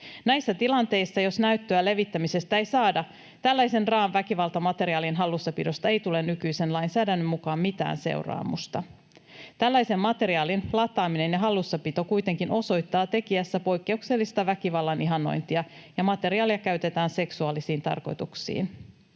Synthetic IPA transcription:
næjsːæt̪ilɑnt̪e̞jsːɑjo̞snæyɥt̪ːøæle̞ʋit̪ːæmise̞st̪æejsɑːdɑ | t̪ælːæjse̞nrɑːʋʋækiʋɑlt̪ɑmɑt̪e̞ɾiɑːlinɦɑlːusːɑpido̞st̪ɑe̞jt̪ule̞nːykyjse̞nlɑjnsæːdænːømːukɑːmmit̪æ̰ːnse̞̰wrɑ̰ːmṵst̪ɑ | t̪ælːæjse̞mːɑt̪e̞ɾiɑːlinlɑt̪ˑɑːmine̞njɑɦɑlːusːɑpit̪okujt̪e̞ŋkinʔo̞so̞jt̪ːɑːt̪e̞kiæsːæpo̞jkːe̞ukse̞lːist̪ɑʋækiʋɑlːɑniɦɑnːo̞̰jnt̪iɑjɑmɑt̪e̞ɾiɑːliɑkæɥt̪e̞t̪æːnse̞ksuɑːlisiːnt̪ɑ̰rko̞̰jt̪uksḭːn

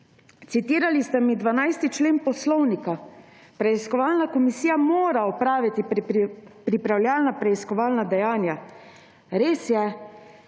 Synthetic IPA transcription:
t̪sit̪iːɾalist̪ɛmid̪ʋanajst̪it͡ʃleːnpɔslɔwnika | pɾɛiskɔʋaːlnakɔmisiːjamoːɾaɔpɾaːʋit̪i | pɾipɾawlʲjaːlnapɾɛiskɔʋaːlnad̪ɛjaːnja | ɾeːsjɛ

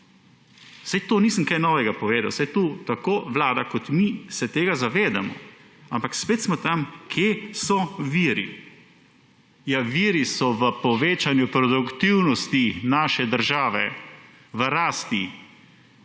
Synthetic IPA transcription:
sajt̪oːniːsəmkajnɔːʋɛɡapɔʋeːd̪awsajt̪ut̪akoːʋlaːd̪akɔt̪misɛt̪eːɡazaʋeːd̪a̰mɔ̰ | ampakspeːt̪smɔt̪amkʰjesɔʋiːɾḭ | jaʋiːɾisɔʋəpɔʋeːt͡ʃanjupɾɔd̪ukt̪iwnɔst̪inaːʃɛd̪əɾʒaːʋɛ̰ | ʋəɾaːst̪i

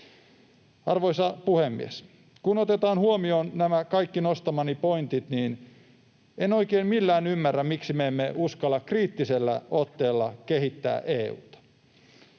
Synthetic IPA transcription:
ɑrʋo̞jsɑpuhemːḭḛs | kunot̪et̪ɑːnhuomioːnnæmækɑjkːinost̪ɑmɑnipo̞int̪it̪niːn | eno̞ikeːnmilːæːnymːærːæmmiksimeemːeʔuskɑlːɑkriːt̪ːiselːæ̰ot̪ːe̞ːlːɑkeɦit̪ːæ̰ːʔeːṵːt̪ɑ̥

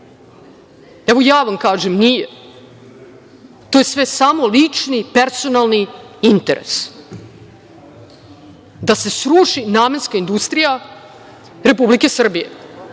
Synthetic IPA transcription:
ɛʋo̞jaːʋamkaːʒemnije | t̪ojesʋe̞samo̞lit͡ʂnipeɾso̞nalˠniint̪eɾʔḛs | d̪ase̞sɾuːʂinaːme̞nskaind̪ust̪ɾija | ɾe̞publike̞sr̩bijḛ

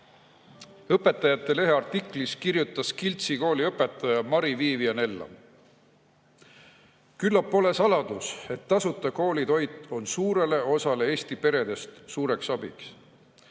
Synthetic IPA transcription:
ɤpːe̞t̪ːˑɑjɑt̪ːˑe̞le̞ɦeɑrt̪ˑikˑliskirjut̪ːˑɑskilt̪siko̞ːliɤpːˑe̞t̪ːˑɑjɑmɑɾiviːvijɑne̞lːɑ̰ | kylːɑpːo̞le̞sɑlɑd̪̥use̞t̪ːɑsut̪ːˑɑko̞ːlit̪o̞jt̪ˑːo̞nsuːɾe̞le̞o̞sɑle̞e̞ːst̪ipe̞ɾe̞d̪̥e̞st̪suːɾe̞ksɑb̥ḭks

